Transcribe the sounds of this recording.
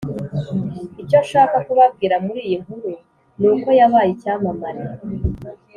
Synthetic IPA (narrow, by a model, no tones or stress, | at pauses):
ico̞ʃaːkakuβab̚ɡiːɾamuɾiːjiŋ̥huɾu | nuːko̞jaβaːjicaːmamaɾi